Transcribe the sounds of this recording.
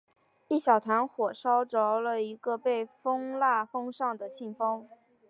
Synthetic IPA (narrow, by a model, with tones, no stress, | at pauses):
i˥˩ɕjɑ˨˩ʊt̪ʰa˧˥nxwɔ˨˩ʂɑ˥ʊʈ͡ʂo˧˥ʊlə˧i˧˥ɡə˧pe˥˩ɪfɤ˥ŋla˥˩fɤ˥ŋʂɑ˥˩ŋd̪ə˩ɕi˥˩ŋfɤ˥ŋ